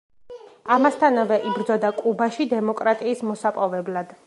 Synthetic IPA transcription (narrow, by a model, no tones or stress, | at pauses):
amast̪ʰanavɛʔibɾd̪zɔd̪akʼubaʃid̪ɛmɔkʼɾat̪ʼiːsmɔsapʼɔvɛblad̪̥